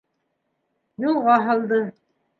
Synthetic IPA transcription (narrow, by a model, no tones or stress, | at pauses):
julˠʁɑɦɑ̆lˠd̪ɤ